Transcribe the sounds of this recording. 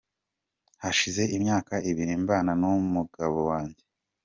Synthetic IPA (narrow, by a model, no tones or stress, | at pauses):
haʃize̞ʔimɲaːkaʔiβiɾimbaːnanumuɡaβowaːɲɟe̞